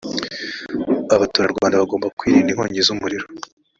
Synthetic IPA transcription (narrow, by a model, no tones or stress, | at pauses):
aβatoːɾaɾɡaaːndeβaɡo̞ːmbakwiːɾiːndiŋ̥ho̞̰ːɲɟezumuɾiɾo